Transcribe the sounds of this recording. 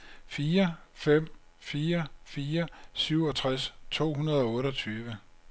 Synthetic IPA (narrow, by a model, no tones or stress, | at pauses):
fiːɐfem̰fiːɐfiːɐsyʊ̰ɒ̽t͡sʰʁast͡sʰo̝̰ːɦunɐð̞ˠɒ̽ɔ̽ːɾɒt͡sʰyːʋə